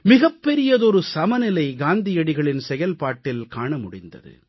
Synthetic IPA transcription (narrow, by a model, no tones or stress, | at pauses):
mɪɣɐpːɛɾɪjɐðɔɾɯsɐmɐnɪlɐɪɡaːnd̪ɪjɐɽɪɣɐɭɪnsɛjɐlpaːʈːɪlkaːɳɐmʊɽɪnd̪ɐ̰ðɯ̰